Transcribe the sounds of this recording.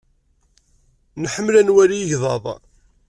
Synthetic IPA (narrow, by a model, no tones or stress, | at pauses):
nħəmlænwæɾijəʝðˤɑ̰ðˤ